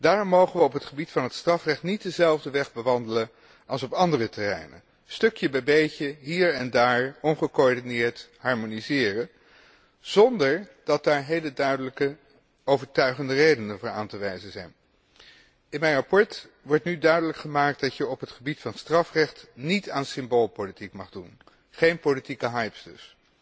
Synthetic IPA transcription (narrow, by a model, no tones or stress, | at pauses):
d̥aːrɔmːowχənʋəɔpɦətχəbitfɑnɦətstrɑfrɛχtnit̚dəzɛlˠvdəʋɛχbəʋɑndələn | ɑlˠsɔpɑndərətɛrɛ̰jnə̰ | stɵkjəbɛjbejcəɦiːɹɛndaːɹɔnχəkoɔɹdinɪːɹtɦɑɹmonizɪːrə | z̥ɔndəɹd̥ɑt̚daːɹɦejlədœɥdələkə | owvəɹtœɥχəndərejdənənvʊːɹa̰ːntəʋɛjzəzɛjn | ɪnmɛjnrɑpɔɹt | ʋɔɹtnydœɥdələkχəmaːk̚t̚dɑtjəɔpɦətχəbitfɑnstrɑfrɛχtnitaːnsɪmbolˠpolitikmɑχdun | χejnpolitikəɦɑjpsdɵs